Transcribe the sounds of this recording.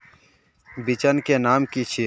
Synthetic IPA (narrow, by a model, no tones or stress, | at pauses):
bɪt͡ʃənkeːnaːmkiːt͡ʃʰi